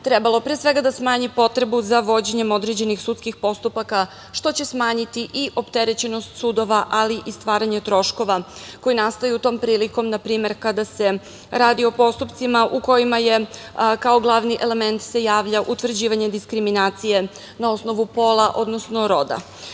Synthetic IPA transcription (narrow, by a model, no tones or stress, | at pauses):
t̪ɾe̞balˠopɾiesʋe̞ɡad̪asmaːɲipo̞t̪ɾe̞buzaʋo̞d͡ʑeɲe̞mo̞d̪ɾe̞d͡ʑe̞nixsut̪skixpo̞st̪upaka | ʃt̪o̞t͡ɕe̞smaːɲit̪iʔiʔo̞pt̪e̞ɾe̞t͡ɕe̞no̞st̪sud̪o̞ʋaʔaliʔist̪ʋaːɾaɲe̞t̪ɾo̞ʃko̞ʋako̞jinast̪ojut̪o̞ːmpɾiːliko̞mnapɾiːme̞ɾkad̪ase̞ | ɾaːd̪io̞po̞st̪upt̪simaʔuko̞jimaje̞ | kao̞ɡlˠaʋniʔe̞le̞me̞nt̪se̞jaːʋʎaʔut̪ʋvr̩d͡ʑiːʋaɲed̪iskɾiminaːt̪sije̞ | nao̞sno̞ʋupo̞ːlˠaʔo̞̰d̪nosno̞ɾo̞d̪a̰